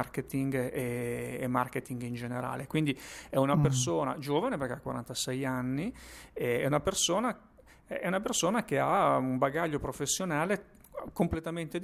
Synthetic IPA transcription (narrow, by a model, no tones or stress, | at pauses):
arket̪iŋɡeːmarket̪iŋɡind͡ʒeneɾa̰ːlekwind̪iɛunapersoːna̰d͡ʒoːvaneperkeakːwaɾa̰nt̪asɛjanːiɛɛ̰unapersoːna | ɛunapersoːnak̟eaumbaɡaʎːopɾofesːjonaːle | komplet̪ament̪ed̪